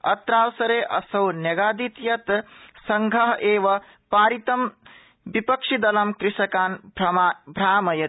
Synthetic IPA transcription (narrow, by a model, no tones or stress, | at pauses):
ɐ̰t̪ɾaːwsɐɾeːʔɐsɐwnɐɡaːd̪it̪jɐt̪sɐŋɡʱɐɦʔeːʋɐ | paːɾit̪ɐm | bipɐkʂid̪ɐlɐmkɾɪʂɐkaːn | bʱɾaːmɐjɐ